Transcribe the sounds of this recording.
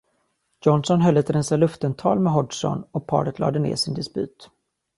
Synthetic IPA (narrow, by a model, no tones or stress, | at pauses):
jɔnsɔnɦœlːɛt̪ɾɛnsalɵft̪ənt̪ʰɑːlmɛɦɔɖʂɔ̰nɔpʰɑ̰ːɾət̪lɑ̰ːd̪ənḛːʂɪnd̪ɛspʉ̟̰ːt̪